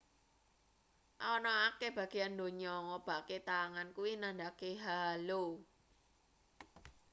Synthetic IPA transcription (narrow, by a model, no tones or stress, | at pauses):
ʔɔnɔakeb̥ä̤ɡ̥e̤and̪o̤ɲɔŋɔb̥a̤ʔket̪aŋankuwinand̪akeɦalo